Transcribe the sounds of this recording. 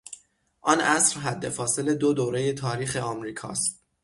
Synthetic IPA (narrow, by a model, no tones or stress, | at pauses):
ʔɒnʔæsɾɦæd̪ːe̞fɒːse̞le̞d̪od̪oːɾe̞je̞t̪ʰɒːɾiːxeɒːmɾiːkʰɒ̰ːst̪̚